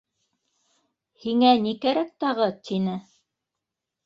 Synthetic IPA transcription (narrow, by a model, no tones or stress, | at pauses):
hiŋænikæɾæk̚t̪ɑʁɤt̪ʰinɘ